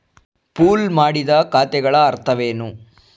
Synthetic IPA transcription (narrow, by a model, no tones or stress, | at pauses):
puːlmaːɽid̪ɐkaːt̪ɛɡɐɭɐːɾt̪ʰɐʋeːnu